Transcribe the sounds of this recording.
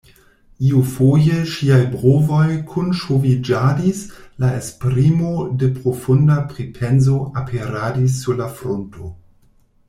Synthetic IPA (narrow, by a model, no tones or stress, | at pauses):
iufojeʃiajbʁovojkʰunʃovid͡ʒadislaespɾimodepɾofundapɾipʰenzoʔapʰeɾadis̬ːuɾlafɾontʰo